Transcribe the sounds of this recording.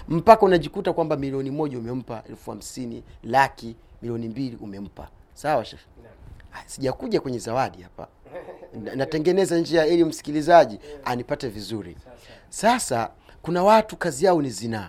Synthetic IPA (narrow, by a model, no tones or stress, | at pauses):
m̩pakaunaʄikutakwambamiliɔnimɔʄaumɛm̩paʔɛ̰lfuha̰m̩sinilakimiliɔnimbiliʔumɛm̩pa̰sawaʃa | siʄakuʄakwɛɲɛzawaɗihapa̰ | anatɛŋɡɛnɛzanɲd͡ʒiaɛlium̩si̥kilizaʄianipatɛvizuɾḭ | sasa | kunawatukaziaɔnizina